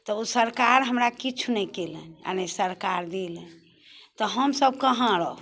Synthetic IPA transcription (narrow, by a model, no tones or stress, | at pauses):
t̪ɔusəɾkaɾɦəmɾakit͡ʃʰunɛkelənia̰nesəɾkaɾd̪elən | t̪ɔɦəmsəb̚kəɦə̃ɾə